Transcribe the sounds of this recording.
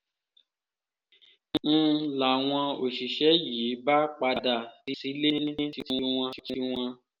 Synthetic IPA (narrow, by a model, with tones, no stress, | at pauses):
ñ̩˦˧la˨w̃ɔ̃˧o˨ʃi˨ʃɛ˨˦jiː˨˦ba˦k͡pa˧˨da˧˨ɾi˧si˨˦le˦nĩ˦ĩ˦ti˧ti˧˦w̃ɔ̃˧i˧˦ti˧˦˧w̃ɔ̃˧